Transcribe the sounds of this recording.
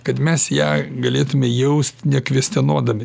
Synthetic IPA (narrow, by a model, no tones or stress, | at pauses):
kɐt̪mʲɛsjæːɡɐlʲeːt̪ʊmʲɛjɛʊsʲt̪ʲnʲɛkʋʲiɛsʲt̪ʲɛnuɔd̪ɐmʲɪ